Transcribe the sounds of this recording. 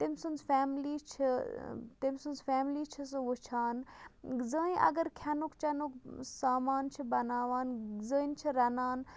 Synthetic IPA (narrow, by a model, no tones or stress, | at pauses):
t̪imsunzfaːmlit͡ʃʰit̪imsunzfeːmlit͡ʃʰis̬ɨut͡ʃʰaːnzə̃ʔɐ̰ɡəɾkʰjɐnukt͡ʃɐnuksaːmaːnt͡ʃʰibɐnaːʋaːnzəːnt͡ʃʰiɾɐnaːn